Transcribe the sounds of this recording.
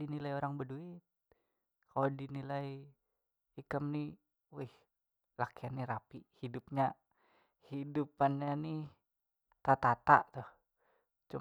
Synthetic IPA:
inilajoɾaŋbəduɪt̪̚ | kalodinilai | ikəmni | wɪh | lakianːiɾapihidup̚ɲa | hidupanɲani | t̪at̪at̪a̰ʔt̪ʊh | t͡ʃu

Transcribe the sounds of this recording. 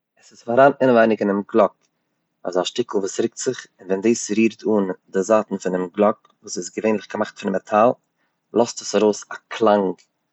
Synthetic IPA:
ɛsɪsfaɾaːnɪnəvaɪnɪkɪnɪmɡlˠɔk | ɔ̰zaʃtɪkl̩ˠvuːsɾɪk̚tz̥ɪχɪnvɛndiːsɾiːɾtʰuːndɪzaːtn̩fɪnɪmɡlˠɔk̚ | vuːsɪsɡəveɪnlɪχɡəmaχtfɪnmɛtʰalˠ | lˠɔstəsaɾoʊsakʰlˠaŋk

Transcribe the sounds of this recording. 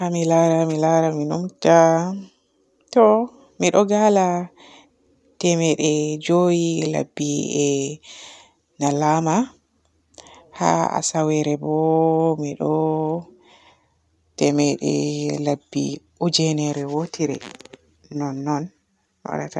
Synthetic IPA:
hamilaɾamilaɾaminumta | tɔ | miɗɔɡala | tɛmɛɗɛd͡ʒojila̰bːiɛ | nalama | ha̰a̰sawɛɾɛbɔmiɗɔ | tɛmɛɗɛ̰labːḭʔud͡ʒɛnɛɾɛwotʰiɾɛ̰ | nɔnːɔn | wa̰ɗata

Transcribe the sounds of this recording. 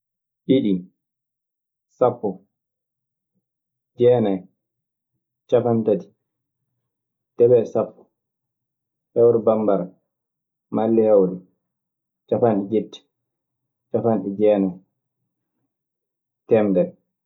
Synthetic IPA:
ʔiɗim | sapːɔ | d͡ʒɛːnaj | t͡ʃafantati̥ | tɛɓɛsapːɔ̥ | hɛwɾɛbambaɾa | malːihawɾɛ | t͡ʃafanɗid͡ʒetːi̥ | t͡ʃafanɗid͡ʒɛːnaj | tɛmdɛɾ

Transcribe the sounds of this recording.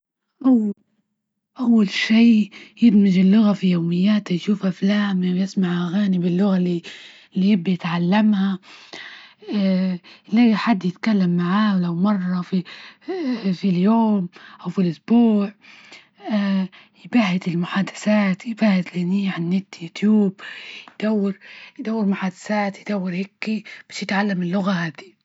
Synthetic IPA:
ʔaw | ʔawːalʃiːjɪdmɪd͡ʒɪlːʊɣafijoːmɪjːaːt̪ajʃuːfʔaflaːmiwjɪsmaʕʔaɣaːnibɪlːʊɣali | lːijɪbːajɪt̪ʕalːamha | lajħad̪ːjɪt̪kalːamːaʕaːlawmɑrˤːɑfi | filjoːmʔawfilʔʊsbuːʕ | jɪbahɪt̪ɪlmʊħaːd̪ḁsaːt̪jɪbaːhɪt̪lniːaʕanːɪt̪ːjut̪juːb̚jd̪̥awːɪɾjd̪awːɪɾmʊħaːd̪asaːt̪jɪd̪awːɪɾhɪkːib̥ḁʃjɪt̪ʕalːamɪlːʊɣahaːd̪i

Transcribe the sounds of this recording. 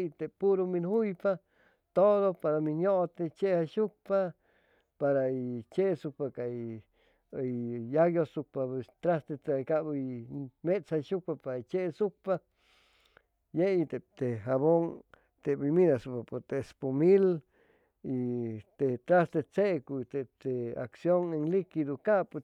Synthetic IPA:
t̪epuɾominhujpa | t̪odopaɾamiɲoʔt̪et͡ʃehaʃuk̚pa | paɾait͡ʃeʔsuk̚pakaj | jaɡjosuk̚papest̪ɾast̪et͡skaʔbjmet͡shaʃuk̚papaɾat͡ʃeʔsuk̚pa | jet̪et̪eɦaβoŋ | t̪ebiminasupapot̪espomil | it̪et̪ɾast̪et͡sekuit̪et̪ea̰ksjoŋeŋlikid̪ukaʔp

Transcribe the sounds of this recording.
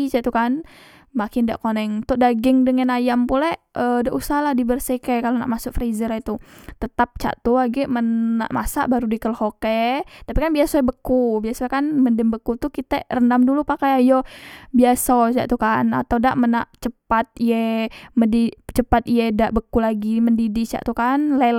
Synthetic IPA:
t͡ʃat̪ukan | makɪnda̰ʔkonɛŋt̪ʊʔdaɡɪŋdəŋanajampulɛədaʔusahlahdibərsikɛkalona̰ʔmasʊk̚fɾizəɾait̪ut̪ət̪ap̚t͡ʃa̰ʔt̪uaɡɛʔmənːa̰ʔmasa̰ʔbaɾudikəlhokɛt̪apikanbiasɔɛbəkubiasokanməndəmbəkut̪ukit̪ɛrəndamdulupakajajɔbiasɔt͡ʃa̰ʔt̪ukana̰t̪awdaʔmənaʔt͡ʃəpat̪̚iɛmədit͡ʃəpat̪iɛdaʔbəkulaɡiməndidit͡ʃa̰ʔt̪ukanle

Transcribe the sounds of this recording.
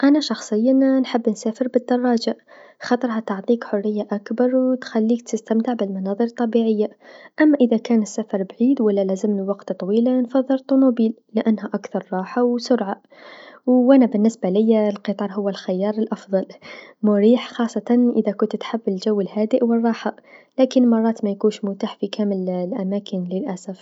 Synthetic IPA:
ʔanaʃɑxsˤəjːannħɪbːnsaːfəɾbɪd̪ːɑrˤːɑːd͡ʒaxɑt̪ˤəɾˤɦɑt̪ɑʕt̪ˤiːkħʊrːɪjːaʔakbɑɾˤwt̪xalːiːk̚t̪ɪst̪amt̪ɪʕbɪlmɑnɑːðˤɨɾt̪ˤːɑbiʕɪjːaʔamːaʔɪðakaːnɪsːafɑɾˤbʕiːd̪walːalæzɪmniwɑqt̪t̪ˤɑwiːlanfɑðˤːɨlt̪ˤːunubiːllɪʔanːɦæʔakθɑɾˤːɑːħawsʊɾʕa | wʔænabɪnːɪsbalɪjːalqɨt̪ˤɑːɾˤɦʊwːalxɪjːɑːɾˤəlʔɑfðˤɑlmʊɾiːħxɑːsˤːɑt̪ɑnʔəðakʊnt̪t̪ħabːɪlʒawːəlhæːd̪ɪʔwərˤːɑːħalæːkɪnmɑrˤːɑːt̪mæjkuːnʃmʊt̪aːħfikʰæməllʔæmæːkɪnlɪlʔæsaf

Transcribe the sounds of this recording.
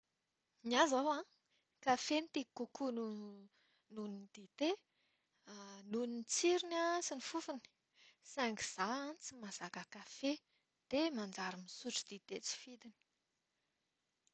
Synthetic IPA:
niazawã | kafenit̪ikukunu | nunind̪̥it̪e | nunint͡siɾinat͡sinifufuni̥ | saŋɡiz̥aanit͡simazakakafe | d̪̥emand͡ʒaɾimisuʈ͡ʂid̪it̪et͡si̥fid̪ini̥

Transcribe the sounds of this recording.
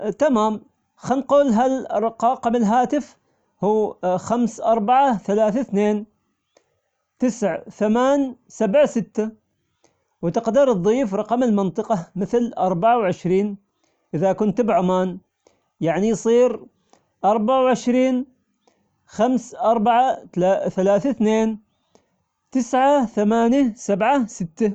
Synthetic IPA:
t̪amaːm | xanquːlɦalrˤqɑqmɪlɦaːt̪ɪf | huːxamsʔɑɾˤbaʕaθalaːθaθneːn | t̪ɪsʕθamaːn | sabʕsɪt̪ːa | wt̪ɪqd̪iɾɨðˤːiːfɾˤɑqɑmɪlmɪnt̪ˤɨqɑmɪθlʔɑɾˤbaʕawʕɪʃɾiːn | ʔɪðakʊnt̪bʕʊmaːn | jaʕnijsˤiːɾ | ʔɑɾˤbaʕawʕɪʃɾiːn | xamsʔɑɾˤbaʕaaθalaːθaθneːn | t̪ɪsʕaθamaːnjasabʕasɪt̪ːa

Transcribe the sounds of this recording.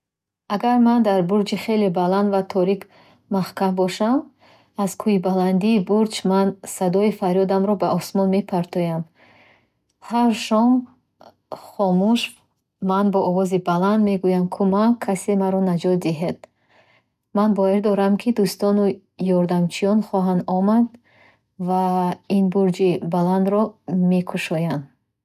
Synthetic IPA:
aɡaɾmand̪aɾbuɾd͡ʒiχe̞lebaland̪vat̪ʰɔɾik | maχkambɔʃam | az̥kʰuibaland̪iːbuɾt͡ʃmansad̪ɔifaɾjɔd̪amɾɔbaʔɔsmɔnme̞pʰaɾt̪ʰɔjam | haɾʃɔm | χɔmuʃ | manbɔʔɔvɔzibaland̪me̞ɡujamkʰumakʰːasemaɾɔnad͡ʒɔt̪̚d̪iɦed̪̥ | manbɔiɾd̪ɔɾamkʰid̪ust̪ɔnu | jɔɾd̪amt͡ʃʰijɔnχɔɦand̪ɔmad̪ | vainbuɾd͡ʒibaland̪ɾɔmekʰuʃɔjan

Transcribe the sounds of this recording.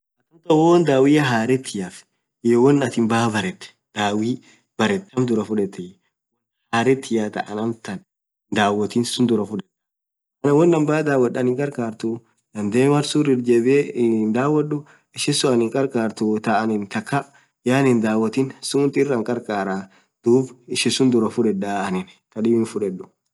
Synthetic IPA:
ɐt̪ːʊnt̪ɐwɔːnd̪aːwɪjɐɦaːɾɛt̪ʰːɪjaf | jɔwɔnːɐt̪ɪmbaːbɐɾɛt̪ːɛ̥ | d̪aːwiː | b̥ɐɾɛt̪ːɐmd̪ʊɾɐfʊᶑɛt̪ːɛj | wɔn | haːɾɛt̪ːɪjat̪ɐ̰ʔɐnɐmt̪ɐn | d̪aːwɔt̪iːnsʊnd̪ʊɾɐfʊᶑɛt̪ː | ɐnɐwɔnːɐmbaːd̪aːwɐɗɐnɪŋkʼɐɾkaːɾt̪ʊ | dɐnd̪eːmɐɾsuɾɪɾd͡ʒɛbend̪aːwːɐɗːʊ | ɪʃɪsʊɐnɪŋkʼɐɾkʼaːɾt̪ʊt̪ɐʔɐnɪnt̪ɐkːɐ | jaːnɪnd̪aːwɐt̪iːnsʊːnt̪ɪrːɐŋkʼɐɾkʼaːɾaː | d̪̥uːbɪʃɪsʊnd̪ʊɾɐfʊᶑɛᶑaːnɪn | t̪ɐᶑɪbɪnfʊᶑɛᶑːʊ̥

